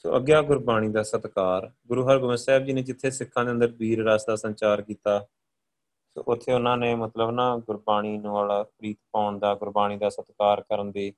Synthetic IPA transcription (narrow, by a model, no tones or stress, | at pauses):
so̰ːʔəɡjaːɡʊɾbaːɽ̃iːd̪aːsət̪kaːɾɡʊɾuːɦəɾɡʊməsɛːb̚d͡ʒiːnẽːd͡ʒɪt̪ʰːeːsɪkʰːãːd̪eːə̃nd̪əɾbiːɾɾaːsd̪aːsə̃nt͡ʃaːɾkiːt̪aː | so̰ːʔʊt̪ʰːeːʊnãːneːmət̪ləbnãːɡʊɾbaːɽ̃iːñːaːlaːpɾiːt̪paːʊɳd̪aːɡʊɾbaːɽ̃iːd̪aːsət̪kaːɾkəɾənd̪eː